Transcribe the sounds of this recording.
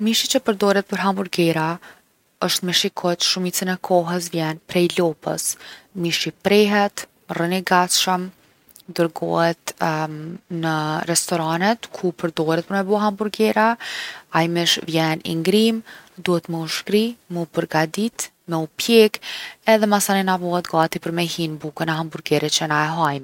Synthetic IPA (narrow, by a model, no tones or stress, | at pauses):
miʃit͡ɕəpəɾd̪ɔɾɛt̪̚pəɾɦambuɾɡɛɾa | əʃt̪mɛʃikʰɔt̪ʃumit͡sinɛkʰɔɦəs̬vjɛnpɾɛjlɔpə̰smiʃipɾɛɦɛt̪ | rəniɡat̪ʃəm | d̪əɾɡɔ̰hɛt̪ | nərɛst̪ɔɾanɛt̪kʰupəɾd̪ɔɾɛt̪̚pəɾmɛbɔɦambuɾɡɛɾaajmɛʃvjɛnḭŋɡɾimd̪uhɛt̪mɛuʃkɾimɛupəɾɡad̪it̪ | mɛupjɛkɛðɛmasaninavɔɦɛt̪ɡɑt̪ipəɾmɛhinbukənɛɦambuɾɡɛɾɛt͡ʃənaɛɦajm